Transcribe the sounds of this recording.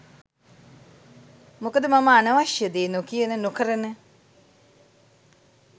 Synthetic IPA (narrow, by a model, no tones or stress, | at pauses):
mokəd̪əmaməanəʋaʃjəd̪eːnokijənənokəɾənə